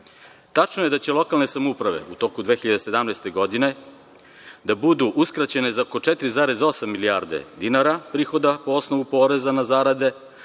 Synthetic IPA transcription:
t̪at͡ʃnoje̞d̪at͡ɕe̞lo̞kalˠne̞samupɾaʋe̞̰ut̪o̞kud̪ʋe̞ːxiʎad̪ese̞d̪amnajst̪e̞ɡo̞d̪ine̞ | d̪abud̪uʔuskɾat͡ɕe̞ne̞zaoko̞t͡ʃɛt̪ɾizaːɾe̞zo̞samːilijaɾd̪e̞̰d̪inaɾapɾiːxo̞d̪apoo̞sno̞ʋupo̞ːɾe̞zanazaːɾad̪e̞

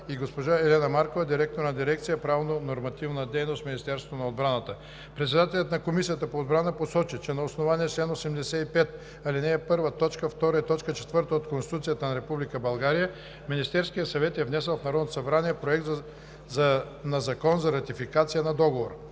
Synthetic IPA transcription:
iɡospoʒaɛlɛnɐmaɾkovɐd̪iɾɛk̚t̪oɾnɐd̪iɾɛk̚t̪sijəpɾavnonoɾmɐt̪ivnəd̪ɛjnost̪minist̪ɛɾsot̪onɐod̪bɾanət̪ə | pɾɛt̪sɛd̪at̪ɛlʲɐt̪nɐkomisijət̪əpooːd̪̚bɾanəposɔt͡ʃit͡ʃɛnɐosnovaniɛt͡ʃlɛnosɛmd̪ɛsɛipɛt̪ | ɐlinɛːpɤɾvət̪ɔt͡ʃkəft̪ɔɾəit̪ɔt͡ʃkət͡ʃɛ̥t̪vɤɾt̪əot̪konst̪i̥t̪ut̪sijət̪ənɐɾɛpublikəbɐlˠɡaɾijə | minist̪ɛɾskijəsɐvɛt̪ɛvnɛsɛlˠfnɐɾɔd̪not̪osɐbɾaniɛpɾoɛkt̪z | zɐ | nɐzɐkɔnzɐɾɐt̪ifikat̪sijənɐd̪ɔɡovoɾə

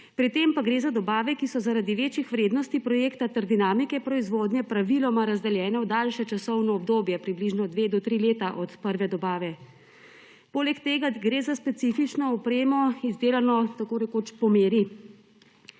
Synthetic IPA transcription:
pɾit̪empaɡɾeːzad̪ɔbaːʋɛkisɔzaɾad̪iʋeːt͡ʃjixʋɾeːd̪nɔst̪ipɾɔjeːkt̪at̪aɾd̪inaːmikɛpɾɔizʋoːd̪njɛpɾaʋilɔmaɾazd̪ɛljɛːnɛɔd̪aːlʃɛt͡ʃasɔwnɔɔb̚d̪oːbjɛpɾibliʒnɔd̪ʋeːd̪ɔt̪ɾileːt̪aʔɔt̪pəɾʋɛd̪ɔbaːʋɛ | poːlɛkt̪eːɡaɡɾeːzaspɛt̪sifit͡ʃnɔɔpɾeːmɔizd̪eːlanɔt̪akoːɾɛkoːt͡ʃpɔmeːɾi

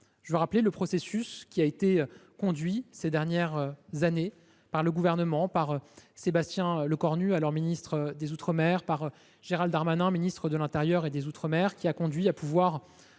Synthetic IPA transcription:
ʒəvəʁapleləpχɔsesyskʲiaet̪ekɔ̃d̪ɥised̪ɛʁnjɛʁzane | paʁləɡuvɛʁnəmɑ̃paʁøsebast̪jɛ̃ləkɔʁnyalɔʁminist̪χəd̪ezut̪χəmɛʁpaʁ | ʒeʁald̪aʁmanɛ̃minist̪χəd̪əlɛ̃t̪eʁjœʁed̪ezut̪χəmɛʁkʲiakɔ̃d̪ɥiapʰuvwaːʁ

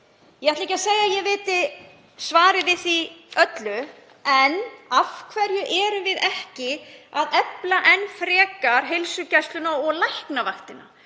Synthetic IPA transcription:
jɛhaht̪lɛjcːaseːjajɛvɪːt̪ɪ | svaːɾɪvɪθiœt̪lʏ | ɛnafkʰvɛɾjʏʔɛːɾʏmvɪðɛhcɪaðɛplaʔɛnfɾɛːkaɾ̥ɦelsʏcɛst̪lʏnaɔɣlajhknavaxt̪ɪna

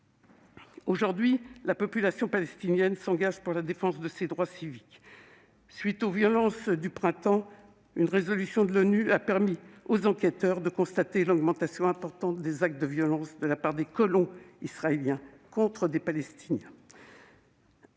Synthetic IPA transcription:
oʒuʁd̪ɥilapɔpylasjɔ̃palɛst̪injɛnsɑ̃ɡaʒpuʁlad̪efɑ̃sd̪əsed̪ʁwasivik | sɥit̪ovjɔlɑ̃sd̪ypχɛ̃t̪ɑ̃ | ynʁezɔlysjɔ̃d̪əlɔnyapɛʁmiozɑ̃kʲɛt̪œʁd̪əkɔ̃st̪at̪elɔɡmɑ̃t̪asjɔ̃ɛ̃pɔʁt̪ɑ̃t̪̚d̪ezak̚t̪̚d̪əvjɔlɑ̃sd̪əlapaʁd̪ekɔlɔ̃isχaeljɛ̃ | kɔ̃t̪χəd̪epalɛst̪ʰinjɛ̃

